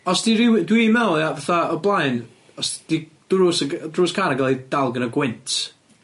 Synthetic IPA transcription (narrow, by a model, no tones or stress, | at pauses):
ɔsd̥iɾɪwdwimɛlˠavaθaəblˠaɨn | ɔsd̥id̥rusədruːskʰaɾaɡalˠid̥alˠɡənəɡwɪntʰ